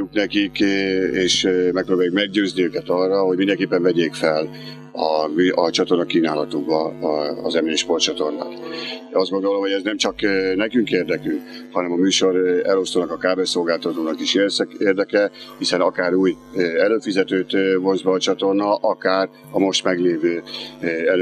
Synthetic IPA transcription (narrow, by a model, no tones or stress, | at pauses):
uknɛkikeːʃmɛk̚proːbaːjukmɛɡ̚ɟøːzniøːkɛt̪ɒrːɒɦo̞ɟmind̪ɛŋkeːpːɛɱvɛɟeːkfɛl | ɒɒt͡ʃɒt̪o̞rnɒkiːnaːlɒt̪uɡbɒ̰ːzɛmejɛʃpo̞rt͡ʃɒt̪o̞rna̰ːt̪ɒzdɡod̪o̞lo̞mhoɟɛznɛmt͡ʃɒknɛkyŋkeːrd̪ɛkyŋk | hɒnɛmɒmyːʃo̞ɾɛ̰lo̞st̪oːnɒkɒkaːbeso̞lɡaːlt̪ɒt̪oːnɒkiʃeːseːrd̪ɛkɛhisɛnɒkaːɾuːj | ɛløːfizɛt̪øːt̪vo̞nzbɒːt͡ʃɒt̪o̞rnɒʔɒkaːr | ɒmo̞ʃt̪mɛɡleːvøː | ɛl